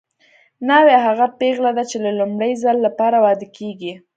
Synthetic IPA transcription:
nɑweɦaɣapeɣlad̪at͡ʃelalumɽəjzalːapɑɾawɑd̪ɪkʰeɡi

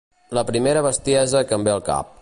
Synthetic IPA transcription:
ləpɾimeɾəβəst̪iɛzəkəmbeəlˠka̰p̚

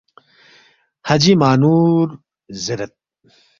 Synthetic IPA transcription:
hɐd͡ʑimaːnuːɾ | ziɾɐt̪̚

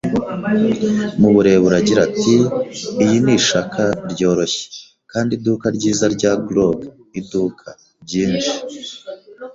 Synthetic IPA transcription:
muβuɾe̞ːβuɾaɟiɾatiːjiniʃakʰaɾɟo̞ːɾo̞çe̥ | kaːndidukaɾɟiːzaɾɟaːɡloɡ | idukʰa | ɾɟiːnʃi̥

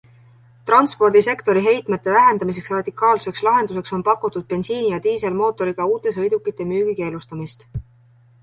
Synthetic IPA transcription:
t̪rɑnspo̞rd̪̥ise̞kt̪o̞ɾiɦe̞jt̪met̪ːˑe̞væɦend̪̥ɑmis̬e̞ksrɑd̪̥ikːˑɑːlse̞kslɑɦe̞nd̪use̞kso̞npɑkːut̪ːˑud̪̥̚pe̞nsiːnijɑt̪iːse̞lmo̞ːt̪ːˑo̞ɾiɡ̥ɑuːt̪ːˑe̞s̬ɤ̞jd̪ukːˑit̪ːˑe̞myːɡ̥ike̞ːlust̪ɑmist̪

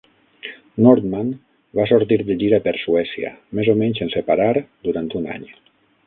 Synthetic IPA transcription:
nɔɾt̪man | basuɾt̪iɾd̪əʎiɾapeɾsuɛsia̰mezomɛɲsensepaɾaɾd̪uɾant̪una̰ɲ

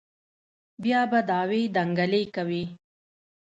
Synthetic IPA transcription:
bjɑbad̪ɑwed̪aŋɡalekawi

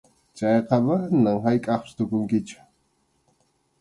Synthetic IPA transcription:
t͡ʃɑjqɑbanaŋɦajkʼɑχpʃt̪okʊŋkɪt͡ʃʊ̥

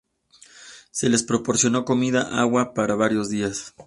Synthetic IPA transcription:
se̞le̞spɾo̞po̞ɾsjo̞no̞ko̞miðaʔaɣwapaɾaβaɾjo̞zðias

